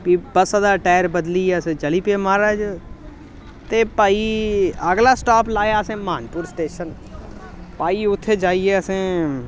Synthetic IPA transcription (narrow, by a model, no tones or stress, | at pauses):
kiːbəsad̪aːʈaːɾbəd̪lieəsẽːt͡ʃəliːpeːmaːɾad͡ʒ | t̪eːpaːiəɡlaːsʈaːplaːjaːəsẽːmãːnpuːɾsʈeːʃən | paːiːʊt̪ʰːeːd͡ʒaːieːəsẽː